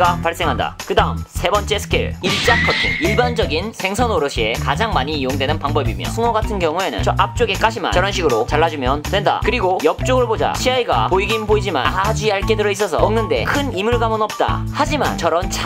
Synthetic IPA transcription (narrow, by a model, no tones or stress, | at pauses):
ɡapaɭs͈eŋɦanda̰kɯdaɯmsʰe̞bʌnt͡ɕ͈e̞sʰɯ̥kʰeɭiɭt͡ɕ͈akʰʌtʰḭŋiɭband͡ʑʌɡinsʰe̞ŋsʰʌnoɾɯɕʰie̞kad͡ʑaŋmaɲiːjoŋdwenɯnpaŋbʌbimjʌ̰sʰɯŋʌɡatʰɯnkjʌŋue̞nɯ̰nt͡ɕʌap̚t͡ɕ͈oɡe̞k͈aɕʰima̰nʌɾʌnɕʰiɡɯɾot͡ɕaɭːad͡ʑumjʌntwe̞nda̰kɯɾiɡojʌk̚t͡ɕ͈oɡɯɭbod͡ʑa̰ɕʰiaiɡa̰poiɡinboid͡ʑima̰nad͡ʑuaɭk͈edɯɾʌis͈ʌsʰʌ̰ʌŋnɯnde̞̰kʰɯnimuɭɡamɯnʌp̚t͈a̰had͡ʑima̰nt͡ɕʌɾʌnt͡ɕʰa